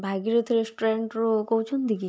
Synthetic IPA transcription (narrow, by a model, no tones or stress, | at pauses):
bʱaɡiɾet̪ʰiɾesʈoɾeɳʈɾokowt͡ʃʰɔnd̪ʱiki